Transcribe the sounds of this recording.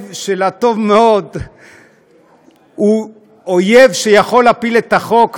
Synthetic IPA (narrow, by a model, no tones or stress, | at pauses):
vʃelat̪o̞vmeo̞d̪ | hu | oje̞vʃejaχo̞lapilet̪aχo̞k